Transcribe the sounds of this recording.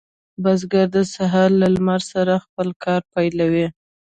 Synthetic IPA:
bazɡaɾd̪əsaɦaɾlalmaɾsaɾaxpəlkʰɑɾpajlawi

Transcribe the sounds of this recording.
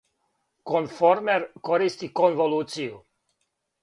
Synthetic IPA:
kɔnfɔɾmɛɾkɔɾist̪ikɔnvoluːt̪siu

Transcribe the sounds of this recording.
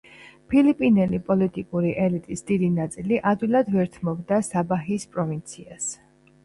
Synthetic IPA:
pʰilipʼinɛlipʼɔlit̪ʼikʼuɾiʔɛlit̪ʼisd̪̥id̪inat̪sʼiliʔad̪vwilˠad̪vɛɾt̪ʰmɔbd̪asabaɦispʼɾɔvint̪sʰias

